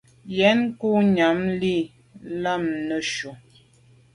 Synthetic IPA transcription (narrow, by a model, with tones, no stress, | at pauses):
jɛ˨˦nku˦ɲa˨˦mli˦˨ | la˦˨mnə˨ʃu˨